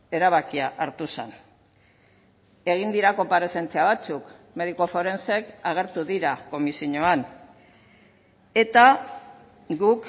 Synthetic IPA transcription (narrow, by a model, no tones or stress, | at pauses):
e̞ɾaβakiaʔaɾt̪usen | e̞ɣ̞ind̪iɾako̞mpaɾe̞se̞nt͡siaβ̞at͡suk | me̞ð̞iko̞fo̞ɾe̞nse̞kaɣ̞e̞ɾt̪uðiɾako̞misiɲoan | e̞t̪a | ɡuk